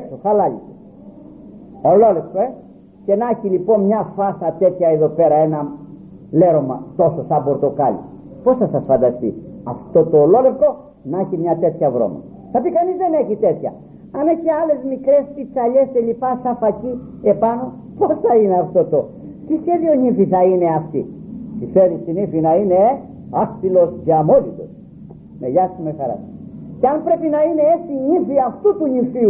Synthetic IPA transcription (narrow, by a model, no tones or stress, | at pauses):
kstoθɐlɐʎi | ololefkoe | ce̞nɐçilipo̞nmɲɐfɐsɐt̪e̞t̪çɐeðo̞pe̞ɾɐe̞nɐ | le̞ɾo̞mɐ̰t̪o̞sosɐbo̞ɾt̪o̞kɐlḭ | po̞sθɐsɐsfɐnd̪ɐst̪ḭɐ̰ft̪o̞t̪olo̞lefko̞ | nɐçimɲɐt̪e̞t̪çɐvɾo̞̰mɐ̰ | θɐpikɐnizðeneçit̪et̪çɐ | ɐne̞çiɐle̞zmikɾe̞spit͡sɐʎe̞st̪eʎipɐsɐfɐci | e̞pɐno̞ | po̞sθɐine̞ɐft̪o̞t̪o̞ | t̪isçe̞ðioɲifiθɐine̞ɐft̪ḭt̪ifeɾist̪inifinɐine | ɐst̪ilo̞sceɐmolit̪o̞̰s | meʝɐst̪umexɐɾɐ̰sceɐmpɾe̞pinɐine̞et͡siɲifiɐft̪ut̪uɲifiu